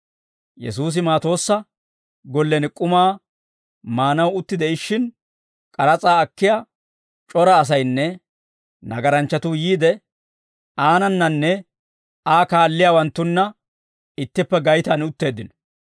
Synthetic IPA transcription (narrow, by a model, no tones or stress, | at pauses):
jɛ̰suːs̬ɪmaːt̪o̞ːsːɐ | ɡɔlːɛnɪkʼʊmaː | maːnɐwʊt̪ːɪd̪ɛɪʃːɪn | kʼɐɾɐt͡sʼaːkːɪja | t͡ʃʼɔɾɐːs̬ɐjnːɛ | nɐ̰ɡɐɾɐnt͡ʃːɐt̪ʊjiːd̪ɛ | aːnɐnːɐnːɛ | aːkaːlːɪjaːwɐnt̪ːʊnːɐ | ɪt̪ːɪpːɛɡɐjt̪anʊt̪ːe̞ːd̪ːɪnɔ̥